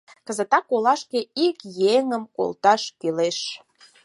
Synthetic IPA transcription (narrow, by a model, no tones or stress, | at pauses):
kəzət̪ɑkolɑʃkeikjeŋəmko̰lt̪ɑʃkyleʃ